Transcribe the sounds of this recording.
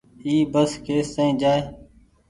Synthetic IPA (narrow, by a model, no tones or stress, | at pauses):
iːbəskeːsə̃ĩːd͡ʒaːeː